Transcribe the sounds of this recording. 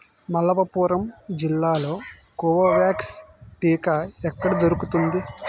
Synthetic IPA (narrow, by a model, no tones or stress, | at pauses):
mɐlɐpɐpuːɾɐmd͡ʒilːaːlo̞ː | kuːʋɐʋaːksʈiːkɐɛkːɐɽɐd̪oɾukut̪und̪i